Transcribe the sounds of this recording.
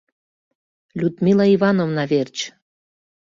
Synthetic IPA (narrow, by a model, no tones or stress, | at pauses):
lʲut̪mʲilɑiβɑnovnɑβert͡ɕ